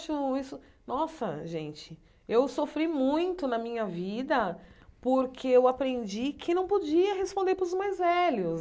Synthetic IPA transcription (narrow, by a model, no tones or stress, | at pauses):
ʃʊisʊ | nɔsɐ̰ʒẽt͡ʃɪ | ewsofɾimũj̃t̪ʊnɐmĩɲɐvid̪ɐpoɾkʰeewapɾẽnd͡ʒikʰɪnɐ̃w̃pod͡ʒiɐɦespõnd̪eɾpɾʊzmajzvɛlʊs